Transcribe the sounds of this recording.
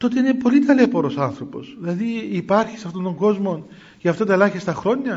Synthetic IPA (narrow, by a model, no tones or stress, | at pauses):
t̪o̞t̪eine̞po̞lit̪ɐlepo̞ɾo̞sɐnθɾo̞po̞̰sðilɐðiːpɐɾçi̥sɐft̪o̞nt̪o̞ŋɡo̞zmo̞n | cɐft̪ɐt̪ɐelɐçist̪ɐxɾo̞ɲːɐ